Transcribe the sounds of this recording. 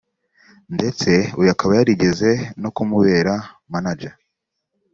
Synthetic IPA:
nde̞t͡se̞ujakaβajaɾiɟe̞ze̞no̞kumuβe̞ːɾa | manad͡ʒa

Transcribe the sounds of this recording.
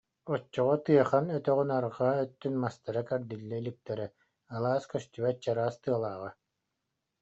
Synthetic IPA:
ɔt͡ʃːɔʁɔt̪ɯjɐχanœt̪œʁynaɾʁaœt̪ːynmast̪aɾakɛɾd̪ilːɛilik̚t̪ɛɾɛ | alˠaːskœst̪yβɛt̪̚t͡ɕaɾaːst̪ɯɐlˠaːʁa

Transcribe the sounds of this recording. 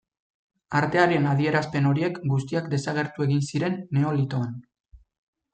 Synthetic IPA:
aɾt̪e̞aɾenaðie̞ɾaspe̞no̞ɾie̞kɡust̪iakd̪e̞saɣ̞e̞ɾt̪ue̞ɣinsiɾe̞nːe̞o̞lit̪o̞an

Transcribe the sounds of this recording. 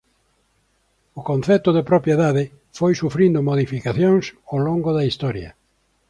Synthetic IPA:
ʊkõn̟θɛt̪ʊðepɾopjeðaðɪ | fojsufɾĩnd̪ʊmoðifikaθjoŋsowloŋɡʊðɐist̪ɔɾjɐ̰

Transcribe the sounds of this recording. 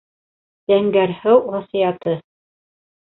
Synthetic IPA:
j̪̥æŋɡæɾhɘwʁɑsijɑt̪ɤ

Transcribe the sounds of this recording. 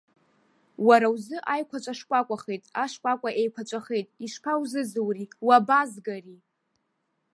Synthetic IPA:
waɾawzɨʔajkʷʰat͡ʃʷʼaʂkʷʼakʷʼaχejtʼaʂkʷʼakʷʼaʔejkʷʰat͡ʃʷʼaχe̞jtʼiʂpʰawzɨzɨwriwabazɡari

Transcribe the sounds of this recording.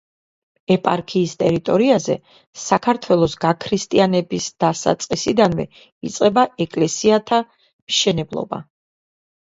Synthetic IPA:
ɛpʼaɾkʰiːst̪ʼɛɾit̪ʼɔɾiazɛ̰ | sakʰaɾt̪ʰwɛlˠɔsɡakʰɾist̪ʼianɛbisd̪̥asa̰t̪sʼqʼisid̪anvɛ̰ | it̪sʼqʼɛbaɛkʼlɛsiat̪ʰa | mʃɛnɛblˠɔ̰ba̰

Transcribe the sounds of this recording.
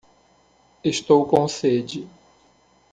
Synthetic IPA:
eʃt̪owkõsed͡ʒɪ

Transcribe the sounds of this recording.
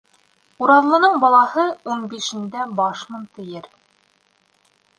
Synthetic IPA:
uɾɑðlˠɤ̆nɤɴbɑlˠɑhɤunbiʃɘ̆nd̪æbɑʃmɤ̆nt̪ɘ̆jɘɾ

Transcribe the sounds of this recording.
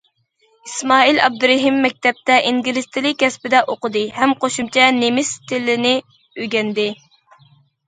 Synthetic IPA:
ismɑːilɑ̰b̚d̪uɾɛɦimːɛk̚ʲt̪ʰɛp̚t̪ɛʔiŋɡʲilɪst̪ʰɪlɪk̚ʲːɛspɪd̪ɛʔoqəd̪ɨhɛmqoʃumt͡ʃʰɛnemɪst̪ʰɪlːɪnɪ | øɡʲɛnd̪ɪ

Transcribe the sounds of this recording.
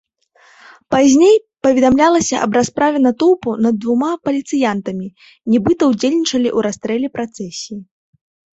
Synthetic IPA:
pazʲnʲej | pɐvʲɛd̪amlʲalˠɐsʲɐʔɐ̰bɾaspɾavʲɛnɐt̪uwpunɐd̪̚ːvumapɐlʲit̪sɨjant̪ɐmʲi | nʲibɨt̪ɐwd͡zʲelʲnʲit͡ʂɐlʲiʔuɾast̪ɾɛlʲɛpɾat̪sɛsʲii

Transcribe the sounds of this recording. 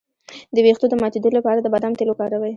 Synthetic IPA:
d̪əwext̪od̪əmɑt̪ed̪əlapɑɾad̪əbad̪amt̪elokɑɾawaj

